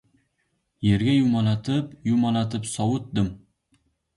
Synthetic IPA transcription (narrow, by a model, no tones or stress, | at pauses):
je̞ɾɡʲajʊmɒlat̪ʰɪpjʊmɒlat̪ʰɪpsɒwʊt̪̚d̪ɪm